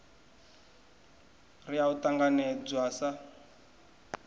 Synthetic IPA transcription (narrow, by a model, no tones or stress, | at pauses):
riautaŋɡanɛd͡zwasa